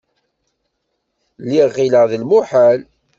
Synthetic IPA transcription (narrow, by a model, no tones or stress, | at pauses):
lːiʁːiləʁðəlmʊħal